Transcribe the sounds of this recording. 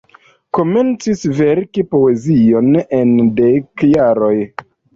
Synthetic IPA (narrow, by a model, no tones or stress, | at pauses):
ko̞me̞nt͡sisveɾkipo̞e̞zio̞nendekjaɾo̞j